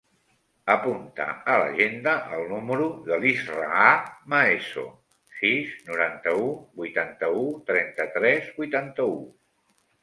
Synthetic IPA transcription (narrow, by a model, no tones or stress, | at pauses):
əpunt̪ə̰ələ̰ʒend̪əʔəlˠnuməɾuðəlizraamaeso̰ | siznuɾant̪əubujt̪ant̪əut̪ɾɛnt̪ət̪ɾɛzbujt̪ant̪əu